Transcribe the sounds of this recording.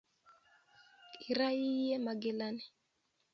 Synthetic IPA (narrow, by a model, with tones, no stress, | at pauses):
i˨ɾa˦ji˦jɛ˦ma˨ɡe˦la˦ni˨